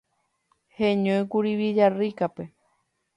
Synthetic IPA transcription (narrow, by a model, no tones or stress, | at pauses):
hẽɲõj̃kuɾiβid͡ʒarikape̞